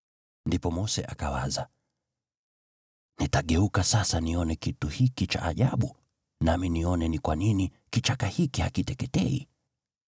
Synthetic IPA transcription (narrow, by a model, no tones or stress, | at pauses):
ndipɔmɔsɛ̰ʔakawaza | nitaɠɛukasasaniɔnɛkituhikit͡ʃa̰ʔːʄaɓu | naminiɔnɛnikwanini | kit͡ʃakahikihakitɛkɛtɛ̰ḭ